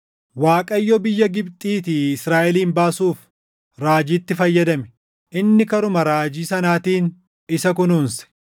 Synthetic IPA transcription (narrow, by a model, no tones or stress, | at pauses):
waːkʼɐjːɔbɪjːɐɡɪbt̪ʼiːt̪iɪsɾaːʔɛliːmbaːsuːf | ɾaːd͡ʒiːt̪ːɪfɐjːɐd̪ɐmɛ̥ | ʔɪnːɪkɐɾʊmɐɾaːd͡ʒiːsɐnaːt̪iːn | ɪsɐk̬ʊnuːnsɛ̥